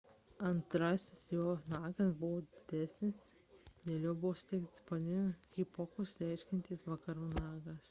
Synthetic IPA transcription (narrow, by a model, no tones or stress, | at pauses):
ɐnt̪ɾɑsʲɪsjoːnɑːɡɐsbʊʋoːd̪ʲɪd̪ʲæsʲnʲɪs | d̪ʲeːlʲoːbʊʋosʊ̥t̪ʲɛɪkt̪ʲspɐnʲɪnʲkʲiːpɔkʊslʲɛɪʃʲkʲɛnʲt̪ʲiːsʋɐkɐɾuːnɑːɡɐs